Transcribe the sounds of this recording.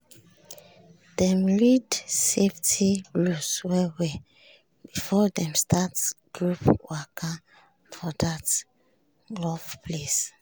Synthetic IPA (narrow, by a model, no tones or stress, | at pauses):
dɛ̃mlidseftʰiɹuswɛwɛ | b̥ifɔdɛ̃mstʰatsɡ̥ɹupwakʰa | fɔdat | lɔfpʰles